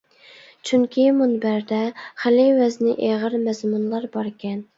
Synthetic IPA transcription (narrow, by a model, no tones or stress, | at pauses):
t͡ʃʰyŋkʲʰimunbæɾd̪ɛχælɪwɛznɪʔeʁəɾmɛzmunlˠɑɾbɑɾkʲɛn